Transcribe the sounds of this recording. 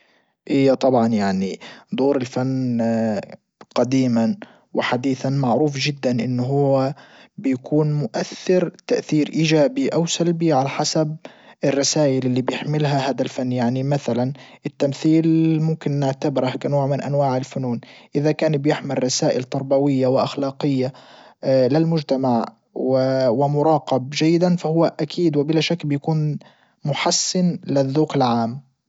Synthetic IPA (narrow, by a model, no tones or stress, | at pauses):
ʔijːat̪ˤɑbʕɑnjaʕnid̪ˤoːɾɪlfanː | qɑd̪iːman | wɪħad̪iːθanmaʕɾuːfʒɪd̪ːanʔɪnːɦʊwabɪjakʰuːnmʊʔaθːɪɾt̪aʔθiːɾʔiːd͡ʒaːbiʔawsalbiʕalaħasab̚ | ʔɪrˤːɑsaːʔɪlʔɪlːibjɪħmɪlɦahaːd̪alfanːjaʕnimaθalanʔɪt̪ːamθiːlmʊmkɪnːɪʕt̪abɪɾahkanoːʕmɪnʔanwaːʕɪlfʊnuːnʔɪðakaːnbjɪħmɪlˤːɑsaːʔɪlt̪ɑɾˤbawɪjːawɪʔaxlɑːqɪjːa | lɪlmʊd͡ʒt̪amaʕ | wɪwɪmʊɾˤɑːqɑb̚d͡ʒajːɪd̪anfahʊwːaʔakʰiːd̪wɪbɪlaːʃakːbɪjakuːn | mʊħasːɪnlɪðːuːkɪlʕaːm